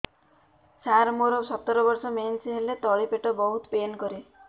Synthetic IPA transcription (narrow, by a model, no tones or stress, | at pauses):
saɾmoɾɔsɔt̪ːɔɾɔbɔɾsɔmensɦelet̪ɔɭipeʈɔbɔɦut̪penkɔɾe